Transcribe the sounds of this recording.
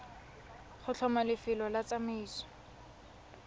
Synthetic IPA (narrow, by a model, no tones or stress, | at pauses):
χʊt͡ɬʰɔmalɪfɪlɔlat͡samiiːsɔ̥